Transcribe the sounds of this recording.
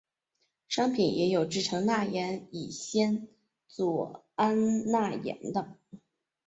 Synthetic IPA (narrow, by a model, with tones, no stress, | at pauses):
ʂɑ˥ŋpʰi˨˩njʔɛ̰˧˥jo˨˩ʊʈ͡ʂɻ̩˥˩ʈ͡ʂʰɤ˧˥ŋna˥˩jɛ˧˥ni˨˩ɕjɛ˥n | t͡swɔ˨˩ | a˥nna˥˩jɛ̰˧˥nd̪ə˧